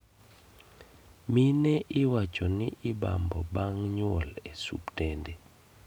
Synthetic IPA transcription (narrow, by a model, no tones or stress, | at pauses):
minɛʔiwḁt͡ʃɔniʔiɓa̰mbʱɔɓaŋɲɔlesṵptʼɛːndɛ